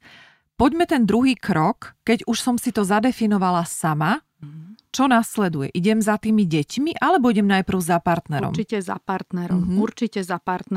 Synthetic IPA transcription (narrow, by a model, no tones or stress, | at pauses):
pɔɟmɛt̪ɛnd̪ɾuɦiːkɾɔkːɛɟuʃsɔmsit̪ɔzad̪ɛfinɔʋalasama | t͡ʃɔnaslɛd̪ujɛ̰ʔiɟɛmzat̪iːmiɟɛcmiʔalɛbɔiɟɛmnajpr̩ʊzapaɾt̪nɛɾɾɔ̰micɛza̰paɾt̪nɛɾɔmɦuɾt͡ʃicɛzapaɾt̪n